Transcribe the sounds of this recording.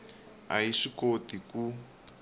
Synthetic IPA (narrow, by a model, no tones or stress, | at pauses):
a̰jiʂikotiku